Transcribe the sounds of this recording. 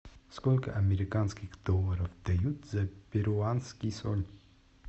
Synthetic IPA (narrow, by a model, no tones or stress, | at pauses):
skɔlʲkə̰ʔameɾikanskixd̪ɔvəɾɔfd̪̥ajut̪zɛpeɾuanskisɔnʲ